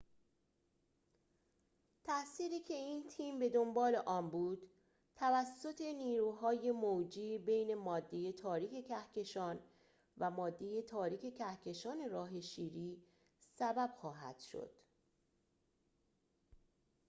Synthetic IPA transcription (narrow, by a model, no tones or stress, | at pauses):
t̪ʰæʔsiːɾiːcʰe̞iːnt̪ʰiːmbe̞d̪o̞mbɒːle̞ʔɒːmbuːd̪̥ | t̪ʰævæsːo̞t̪ʰe̞niːɾuːɦɒːjemod͡ʒiːbe̞jne̞mɒːd̪ːeje̞t̪ʰɒːɾiːcʰe̞cʰæhcʰe̞ʃɒːn | væmɒːd̪ːe̞je̞t̪ʰɒːɾiːcʰe̞cʰæhcʰe̞ʃɒːne̞ɾɒːɦe̞ʃiːɾiː | sæbæb̥xɒːɦæ̰d̪̥ʃo̞̰d̪̥